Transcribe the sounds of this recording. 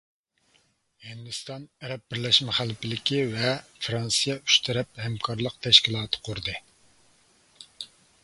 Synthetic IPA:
hind̪ust̪ɑnæɾɛp̚bɪɾlɛʃmɛχælːɪpʰɪlɪkʲivɛfɾɑnsɨjɛyʃt̪ʰɛɾɛp̚hɛmkʰɑɾlˠəq̚t̪ʰɛʃkʲilˠɑːt̪ʰɨ̥qʰʊɾɨd̪ɨ

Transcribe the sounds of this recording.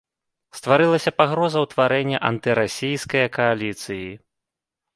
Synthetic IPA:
st̪vaɾɨlˠɐsʲɐpaɣɾɔzɐwt̪vaɾɛnʲːɐʔant̪ɨɾasʲijskɐjɐkʰɐalʲit̪sɨji

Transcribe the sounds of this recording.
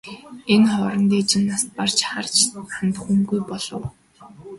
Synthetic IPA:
enχɔːɾɞ̆nt̪eːt͡ɕɪ̆nːast̪̚par̥t͡ɕχart͡ɕant̪ə̥̆χuŋɡujpɔɮ̥ɞ̆w

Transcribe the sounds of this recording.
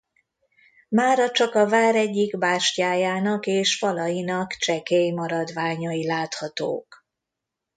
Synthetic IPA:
maːɾɒt͡ʃɒkɒvaːɾɛɟːiɡbaːʃcaːjaːnɒkeːʃfɒlɒjinɒkt͡ʃɛkejmɒɾɒd̪vaːɲɒilaːt̪hɒt̪o̰ːk

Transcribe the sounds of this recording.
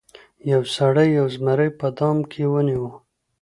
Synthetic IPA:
jawsaɽəjːawzmaɾəjpəd̪ɑmkʰewəniwə

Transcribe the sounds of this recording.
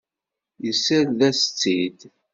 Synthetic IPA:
jəsæððæst͡sːid̪

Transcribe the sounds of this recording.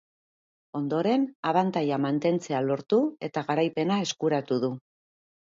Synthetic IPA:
o̞nd̪o̞ɾe̞naβant̪ajamant̪e̞nt͡se̞alo̞ɾt̪ue̞t̪aɣaɾajpe̞nae̞skuɾat̪uðu

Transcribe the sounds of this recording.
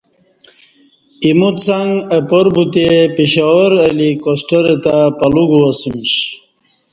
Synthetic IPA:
imut̪saŋɡəpoɾbut̪epeɕawəɾɐlikosʈəɾet̪apɐluɡuɐsimɕ

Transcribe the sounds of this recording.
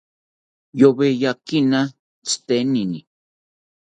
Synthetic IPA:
joβejakina | t͡st̪enini

